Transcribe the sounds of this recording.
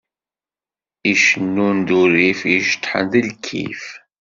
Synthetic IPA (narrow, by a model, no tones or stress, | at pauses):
iʃənːund̪uɾifiʃt̪ːħə̰nðilkʰːḭf